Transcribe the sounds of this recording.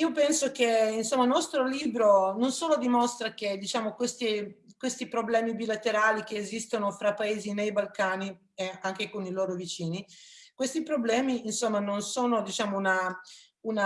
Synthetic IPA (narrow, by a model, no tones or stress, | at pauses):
iːopɛnsok̟einsomːanɔst̪ɾoliːbɾononsoːlod̪imost̪ɾak̟ed̪it͡ʃaːmokwest̪i | kwest̪ipɾoblɛːmibilat̪eɾaːlik̟eːzist̪onofɾapːaeːzinejbalkaːni | eaŋk̟ekoniloːɾovit͡ʃiːnikwest̪ipɾoblɛːmiːnsomːanonsoːnod̪it͡ʃaːmouna | una